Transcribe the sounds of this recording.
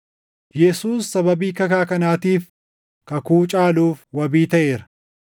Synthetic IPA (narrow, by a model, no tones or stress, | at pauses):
jɛsuːsːɐbɐbiːkɐkaːkɐnaːt̪iːf | kɐkuːt͡ʃʼaːluːfwɐbiːt̪ɐʔe̞ːɾɐ̥